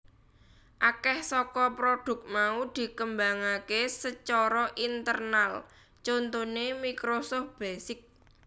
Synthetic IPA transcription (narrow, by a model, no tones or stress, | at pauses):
ʔakɛhsɔkɔpɾoɖ̪̥ʊ̤k̚t̪̚maud̪̥i̤kəmbaŋakesət͡ʃɔɾɔʔint̪ərnal | t͡ʃont̪onemikɾosɔf̚b̥asɪk̚